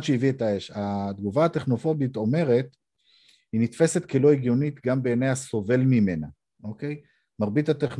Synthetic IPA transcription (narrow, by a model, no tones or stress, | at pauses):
dʃeivietaeʃad̪ɡuvaːt̪eχno̞fo̞bit̪o̞me̞ʁe̞t̪ | hinit̪fe̞se̞t̪kelo̞eɡjonit̪ɡambeːnejaso̞ve̞lmime̞na | o̞ke̞j | maʁbit̪ateχn